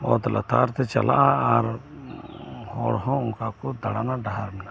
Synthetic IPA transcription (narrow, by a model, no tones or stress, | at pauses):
ɔt̪la̰t̪aɾt̪ɛt͡ʃa̰la̰ʔaaɾ | hɔɽɦɔ̃ʊŋkakɔd̪aɽanaɖaɦaɾmɛna